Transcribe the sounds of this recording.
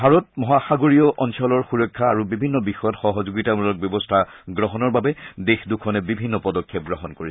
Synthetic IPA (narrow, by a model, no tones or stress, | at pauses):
bʱaɹɔt̚mɔɦaxaɡoɹijɔʔɔnsɔlɔɹxuɹɔjkʰːaːɹubibʱinːɔbixɔjɔtxɔɦɔzoɡitamulɔk̚bjɔbɔstʰaɡɹɔɦɔnɔɹbabɛdexdukʰɔnɛbibʱinːɔpɔdɔkʰːɛp̚ɡɹɔɦɔnkoɹis